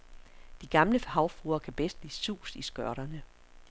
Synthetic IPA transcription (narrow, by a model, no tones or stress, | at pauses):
d̥iɡ̥ɑ̈mləhɑ̈ʊfuːɐkʰæb̥esd̥lḭːsṵːsisɡ̥ɶɐɾ̥ɐnə